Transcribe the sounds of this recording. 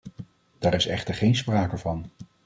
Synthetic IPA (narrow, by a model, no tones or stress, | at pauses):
d̥aːɹɪsɛ̰χtəɹχejnspraːkəvɑn